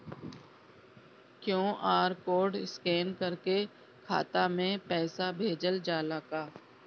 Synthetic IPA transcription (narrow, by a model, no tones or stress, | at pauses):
kjõːʔaːɾkoːɖɪskeːnkəɾke | kʰa̰ːt̪amẽpɛːsabʱeːd͡ʒəld͡ʒaːlaːkaː